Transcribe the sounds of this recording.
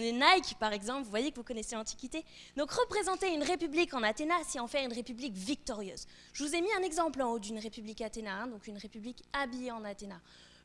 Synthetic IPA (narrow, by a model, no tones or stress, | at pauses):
nenajkpaʁɛɡzɑ̃plvuvwajekəvukɔnɛselɑ̃t̪i̥kʲit̪e | d̪ɔ̃kʁəpχezɑ̃t̪eynʁepyblikɑ̃nat̪enaseɑ̃fɛʁynʁepyblikvik̚t̪ɔʁjø̰ːz | ʒəvuzemiɛ̃nɛɡzɑ̃plɑ̃od̪ynʁepyblikat̪enaɛ̃d̪ɔ̃kynʁepyblikabijeɑ̃nat̪ena